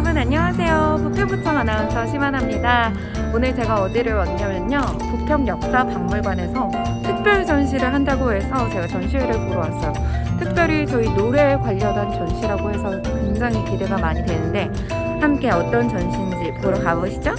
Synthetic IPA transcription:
bunaɲːʌŋasʰe̞jopupʰjʌŋbut͡ɕʰʌŋanaʌsʰʌɕʰimanɦamɲida | onɯɭt͡ɕe̞ɡaʌdiɾɯɭwanɡamjʌɲʌopupʰjʌŋjʌk̚s͈apamːuɭɡwane̞sʰʌ | tʰɯk̚p͈jʌɭt͡ɕʌnɕʰiɾɯɭɦandaɡoɦe̞sʰʌt͡ɕe̞ɡat͡ɕʌnɕʰieɾɯɭpoɾowas͈ʰʌjo | tʰɯk̚p͈jʌɾit͡ɕʌinoɾekwaʎːʌdant͡ɕʌnɕʰiɾaɡoɦe̞sʰʌ | kweŋd͡ʑaŋikide̞ɡamaɲidwe̞nɯnde̞ | hamk͈e̞ʌt͈ʌnt͡ɕʌnɕʰind͡ʑipɯɾʌkaboɕʰi̥d͡ʑo

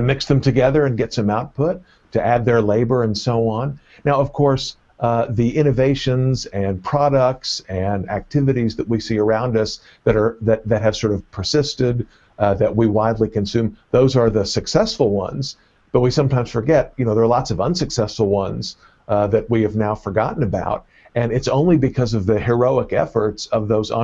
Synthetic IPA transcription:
tɨmɪksðɨ̃mtʰɨɡɛðə˞ɨ̃nɡɛtsɨ̃maʊt̚pʰʊtʰː | ɨʔæd̪̚ðə˞leɪbə˞ɨ̃nsoʊə̃nː | aʊʌv̥kʰɔɹs | ðiʔɪ̃ñɨveɪʃɨ̃nzɨ̃npʰɹ̥ɑɾək̚tsɨ̃næ̰k̚tʰɪvɨɾizðɨt̚wisiə˞ãʊ̃ndʌs | ðɨɾə˞ðɨt̪̚ðɨt̚ɦɨv̥sɔɹɾʌv̥pʰə˞sɪstɪd̪̚ | ðɨʔ̚wiwaɪdˡlikɨ̃nsʉ̃mðoʊzə˞ðɨsɨksɛsfl̩ˠwʌ̰̃nz̥ | b̥ʌt̚wisʌ̃mtãɪ̃mz̥fə˞ɡɛt̚jɨnoʊðə˞ːlɑtsʌvʌ̃nsɨksɛsfl̩ˠwʌ̃nz̥ | ðɨt̚wiɨvnaʊfə˞ɡɑ̰ʔn̩ɨba̰ʊɾ̚ | ɨ̃nɨtsõʊ̃nlibɨkʰʌzʌvðɨhə˞oʊəkɛ̰fə˞tsʌvðoʊz̰

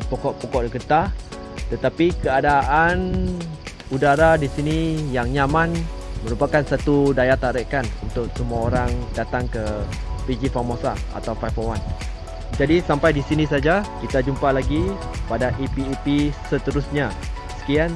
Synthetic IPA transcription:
pɔkɔʔpɔkɔʔdəkət̪a | t̪ət̪apikəadaʔan | udaɾadisinijaŋɲamãnməɾupakansat̪udajat̪aɾəʔkanunt̪ʊksəmuaoɾaŋdat̪aŋkəpid͡ʒifamosa̰a̰t̪awfajfowan | d͡ʒadisampajdisinĩsad͡ʒakit̪ad͡ʒumpalaɡi | padaʔipiːpisət̪əɾʊsɲa | sə̥kian

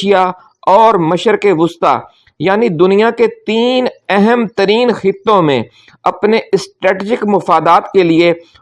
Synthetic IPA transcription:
ija | ɔːɾmɐʃəɾkeʋʊst̪a̰ | jaːnid̪ʊnijaket̪iːnɛɦɛmt̪əɾiːnxɪt̪ːõmḛ̃ | ɐpneɪsʈɾɛːʈiːd͡ʒɪkmɐfaːd̪aːt̪kelie

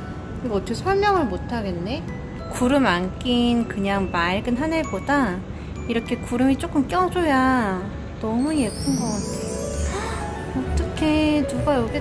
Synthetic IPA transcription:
kɯiɡʌʌt͈ʰʌkʰesʰʌɭmjʌŋɯɭmotʰaɡe̞nːe̞ | kuɾɯmank͈inkɯɲaŋmaɭɡɯnɦanɯɭboda | iɾʌkʰe̞kuɾɯmit͡ɕ͈ok͈ɯmk͈jʌd͡ʑoja | nʌmuje̞pʰɯnɡʌk͈atʰejo | ʌt͈ʌkʰe̞nuɡajoɡe

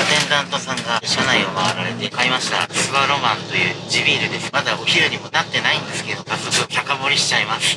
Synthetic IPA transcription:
t̪ẽ̞nd̪ãnt̪o̞sãŋɡaɕanaio̞maβaɾaɾe̞t̪e̞kaimaɕi̥t̪a̰sɨβaɾo̞mãnt̪o̞jɯ̟ːd͡ʑibʲiːɾɯ̟d̪e̞sɨ̥mad̪aoçiɾɯ̟ɲ̟imo̞nat̪ːe̞naĩnd̪e̞sɨ̥keed̪o̞kasːo̞kɯ̟t̪ʰakamo̞ɾʲiɕi̥t͡ɕaimasɨ̥

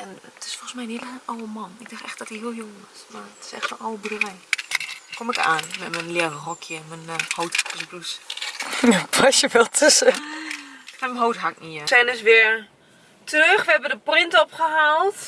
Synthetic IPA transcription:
ɛnətɪ̥sfolˠɣəsmɛjəniəlɛənawəmɔnɪɡ̚daxtɛxt̚d̥ɔtihiəlˠɦjoɔsmarətʰɪ̥sɛ̰xtonawəbdərɛj | komɪkaːnmɛtmənlɪərərɔkʰjəmənhowtapəsblus | apʰasjəʋɛlˠtʰɪs | fɛmənɦowtɦakniəsɛnəsʋɪəɹ | trøxʋəɛbəndəprɪntopχəhaːlˠt

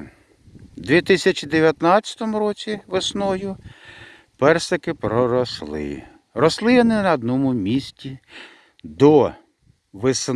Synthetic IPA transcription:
d̪ʲʋʲit̪ɪsʲɐt͡ʃʲid̪eʋʲjɐt̪nɑtt͡sʲɐ̥t̪ɔmʊɾɔt͡sʲiʋɪsnɔjʊ | pɛrsɐkɪpɾɔɾɔslˠɪ̰ | rɔslˠɪʋɔnɪnɐːd̪nɔmʊmʲisʲtʲi | d̪ɔ | ʋɪsn

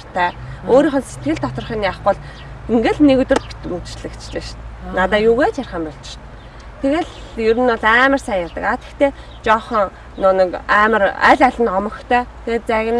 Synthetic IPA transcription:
r̥t̪ʰæːoːɾiːχɞ̆nset̪̚ɡɘ̆ɮt̪ʰɔt̪ɞ̆rχiːniaχʊ̆ːɮ | eŋɡĕɮnekɵt̪ɵ̆rpi̥t̪mut̪̆t͡ɕɮɘ̆kt͡ɕɮɘ̆ʃt̪nat̪aːjuɣeːt͡ɕʰærʲχə̆mpɔɮt͡ɕɪ̥̆ʃt̪ | t̪ʰeɣeːɮ | jɵɾɘ̆nɔɮæːmə̆rsæːjat̪ə̆kat̪e̥kt̪ʰeː | t͡ɕɔːχɞ̆ŋ | nʊnɞ̆kæːmə̆ræ̰ːɮæɮʲɘ̆nɔmɞ̆xt̪ʰœːt̪ʰeɣeːt̪̚t͡sæɣʲɪ̆n

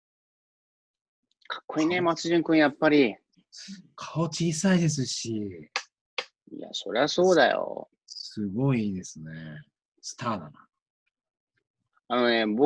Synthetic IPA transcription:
kʰḁkːo̞inemat͡sɨʑĩŋkɯ̟̃ɰ̃japːaɾʲi | sɨ̥kʰaot͡ɕiːsaid̪e̞s̬ɨɕi | ḭja̰so̞ɾe̞aso̞ːd̪ajo̰ | sɨɡo̞iiːd̪e̞sɨne | sɨ̥t̪aːd̪ana | ano̞neb

